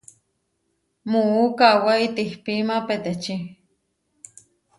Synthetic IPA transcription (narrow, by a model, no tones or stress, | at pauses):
moukawait̪ihpimapet̪et͡ʃi